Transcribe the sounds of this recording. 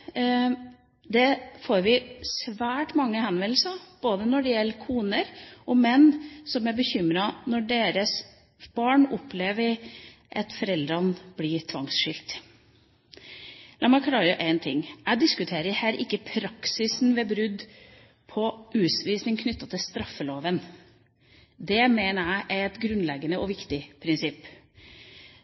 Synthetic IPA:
d̪ɛfoːɾʋɪsʋæːʈmɑŋːəhɛnʋɛlsɑb̥oːd̪ənɔɖɛjɛlːkʰuːnəɾʔɔmɛnːsɔmæɾbəçʏmɾɑnɔɖeːɾəs | b̥ɑːɳɔpleːʋəɾʔɑt̪fɔɾɛld̪ɾɑnb̥lɪt̪ʰʋɑ̰ŋsʂɪlt̪ | lɑːmæɪkʰlɑːɾəʔæɪnt̪ʰɪ̰ŋːæɪd̪ɪskʉt̪ʰeːɾəhæːɾʔɪkːəpʰɾɑksɪsn̩ʋɛbɾʉd̪ | pʰɔʔʉːsʋiːsnɪŋkʰnʏt̪ːɑt̪ʰɪlst̪ɾɑfːəloːʋən | d̪ɛmeːnəæɪʔæɛt̪ɡɾʉnlɛɡənəɔʋɪkt̪ɪpʰɾɪnsɪpː

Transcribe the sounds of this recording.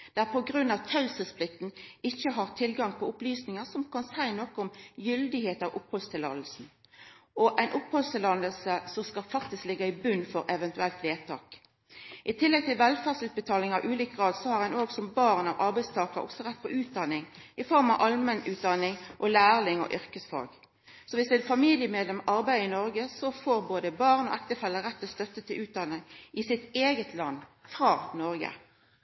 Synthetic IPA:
d̪̥ɛææʁpʰɔɡʁʉnːɑʋt̪ʰɑʉsəspʰlɪk̚t̪nɪçːəɦɑʁt̪ʰɪlɡɑŋpʰɔʊplyːsnɪŋəʁsɔmkʰɑnsæɪnɔkːɔʊmjʏld̪ɪheːt̪ɑʋʔʊpːhɔlst̪ʰɪlɑ̰d̪l̩sn̩ | ɔʔæɪnʔʊphɔlst̪ɪlɑnəlsəsɔmskɑlfɑk̚t̪ɪsklɪɡːɑɪbʉnːfɔɾʔɛʋɛnt̪ʉɛlt̪ʋeːt̪ʰɑ̰ːk | ʔɪt̪ʰɪlːɛɡ̚t̪ʰɪlʋɛlfæːʁsʉːt̪̚bət̪ʰɑːlɪŋɑʋʔʉːliːkɡʁɑːd̪sɔhɑʁhɛnoːɡsɔmbɑːʁnɑʋʔɑʁbæɪst̪ʰɑːkəɾɔ̰ksɔʁɛt̪̚ːpʰɔʔʉːt̪̚d̪ɑnːɪŋɪfɔʁmɑʋʔɑlmɛnʉːt̪̚d̪ɑnɪŋʔɔlæːʁlɪŋɔ̰ʔʏʁkəsfɑ̰lɡ | sɔʋɪsd̪ɛfɑmiːlɪəmeːd̪lɛmɑʁbæɪd̪əɪnɔɾɡəsɔfoːɾboːd̪əbɑːʁnɔ̰ʔækt̪əfɛlːəʁɛt̪ːɔst̪œt̪ːət̪ʰɪlʔʉːt̪̚d̪ɑnːəʔɪsɪt̪eːɡət̪ʰlɑnːfʁɑːnɔʁɡə̰

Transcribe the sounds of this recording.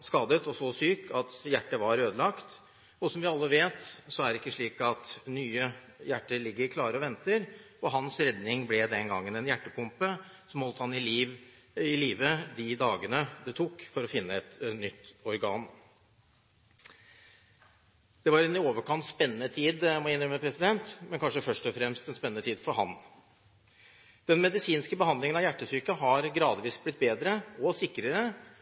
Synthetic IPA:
skɑːd̪ət̪ɔsɔsyːkʰɑt̪jæʈːəʋɑɾøːd̪əlɑkt̪ | ɔsɔmʋɪɑlːəʋeːt̪sɔæɾɪkːəʂɭiːkɑt̪nyːə | jæʈːəɾɭɪɡːəɾkʰlɑːɾəɔʋɛnt̪əɾ | ɔɦɑnsɾɛd̪nɪŋblɛd̪ɛnɡɑŋːənɛnjæʈːəpʰʊmpə | sɔmɔːlt̪əhɑnɪliːʋ | ɪliːʋəd̪ɪd̪ɑːɡənəd̪ɛt̪ʰuːkːfɔɾɔfɪnːəɛt̪nʏt̪ːɔɾɡɑːn | d̪̥ɛʋɑɾɛnɪoːʋəkʰɑnt̪spɛnːənət̪ʰiːd̪mɔɪnːɾəmɛpʰɾɛsɪd̪ɛnt̪mɛnkʰɑnʂəfœʂʈɔfɾɛmst̪ɛnspɛnənət̪ʰiːd̪fɔɾɦɑ̰n | d̪̥ɛnmɛd̪ɪsiːnskəbəhɑnd̪lɪŋənɑʋjæʈːəsyɾkəɦɑɾɡɾɑːd̪ʋiːsblɪt̪̚ːbeːd̪ɾəɔsɪkːɾəɾə

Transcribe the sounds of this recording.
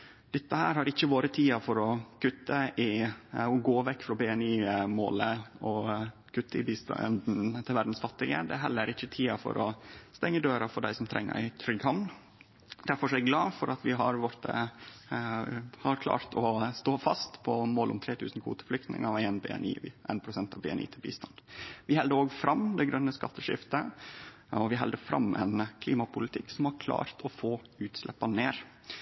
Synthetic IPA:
d̪̥ɛt̪ːəhæːɾhɑɾɪçːəʋoːɾət̪ʰiːɑfɔɾɔkʉt̪ːəʔɪɔɡoːʋɛkːfɾɔbɛɛniːmo̰ːləɔkʰʉt̪ːəɪbist̪nd̪n̩t̪ʰɪlʋæɖ̪n̩sfɑt̪ːɪɡə̰d̪ɛɦɛlːəɾɪçːət̪ʰiːɑfɔ̰ɾʔɔst̪ɛŋːəd̪øːɾɑfɔɖæ̰ɪsɔmt̪ʰɾɛ̰ŋːə̰t̪ʰɾʏɡhɑmn | d̪̥æɾfɔʂɔæɾɡəɡlɑːfɔɾʔɑt̪ʋɪɦɑɾʋɔɾt̪ə | hɑɾkʰlɑ̰ːɾt̪ʰɔst̪oːfɑst̪pʰɔmoːlʊ̰mt̪ʰɾeːt̪ʰʉːsn̩kʰʋṵːt̪ə̥flʏk̚t̪nɪ̰ŋəeːnbɛ̰ɛ̰nḭːʔɛ̰ːnpʰɾʊsɛnt̪ɑʋbɛɛnḭːt̪ʰɪlbḭːst̪ɑnd̪ʋɪhɛld̪əɾoːɡfɾɑmd̪ɛɡɾœnːəskɑt̪ʰːəʂɪ̰ft̪ə | ɔʋɪɦɛld̪əfɾɑ̰mːɛnkʰliːmɑpʰʊlɪt̪ʰɪkːsɔmhɑɾkʰlɑ̰ːɾt̪ʰɔfoːʉːt̪slɛ̰pːɑneːɾ

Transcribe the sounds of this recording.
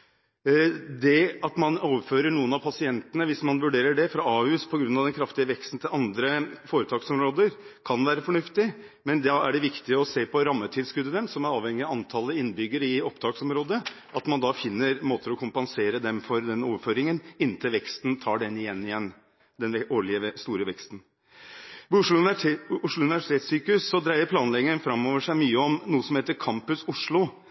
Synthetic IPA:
d̪ɛɑt̪mɑnoːʋəɾføːɾəɳuːənɑʋpʰɑsɪɛnt̪ənəʋɪsmɑnʋʉɖeːɾəɖɛfɾɑɑːʉspʰɔɡɾʉnɑʋd̪ɛnkʰɾɑft̪ɪəʋɛkst̪n̩t̪ʰɪlɑnd̪ɾəfoːɾət̪ʰɑːksɔmɾoːd̪əɾkʰɑnʋæːɾəfɔɳʉft̪ɪ | mɛnd̪ɛæɖɛʋɪkt̪ɪəɔseːpʰɔɾɑmːət̪ʰɪd̪skʉd̪ːəd̪ɛmsɔmæɾɑːʋhɛŋːɪɑɑnt̪ʰɑlːəɪnːbʏɡːəɾɪɔpd̪ɑːksɔmɾoːd̪ə | ʔɑt̪mɑnd̪ɑfɪnːəɾmoːt̪ʰəɾɔkʰʊmpɑnseːɾəd̪ɛmfɔɾd̪ɛnoːʋəɾføːɾɪŋənɪnːt̪ʰɪlʋɛkst̪n̩t̪ʰɑːɖɛnːɪjɛnːɪjɛnː | d̪ɛnʋɛoːɭɪəst̪uːɾəʋɛkst̪n̩ | ʋiʊʂɭʊʊʂɭʊʉnɪʋæʂɪ̥t̪ʰeːt̪syːkəʉsːɔd̪ɾæɪəɾpʰlɑːnlɛɡəənfɾɑmːɔːʋəʂæɪmyːəɔmnuːəsɔmheːt̪əɾkʰɑmpʉsʊʂɭʊ

